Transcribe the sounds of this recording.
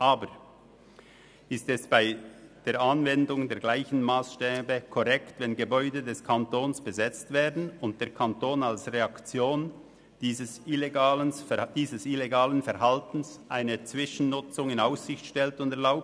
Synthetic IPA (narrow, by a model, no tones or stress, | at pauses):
ʔaːbəɾ | ɪstɛsb̥aɪd̥eːɾʔanvɛndʊŋdeːɐɡlaɪçn̩maːsʃtɛːbəkʰɔʁɛktvɛnɡəbɔʏdədɛskʰantoːnsb̥əzɛt͡stv̥eːɐdn̩ʊnt̚d̥eːɐkʰantoːnalsʁeɑkt͡sjoːn | d̥iːzəsɪleɡaːlənd̥iːzəsɪleɡaːlənfɛɾɦaltn̩sʔaɪnət͡svɪʃn̩nʊt͡sʊŋɪnaʊssɪçtʃtɛltʊndɛɐɾlaʊp̚t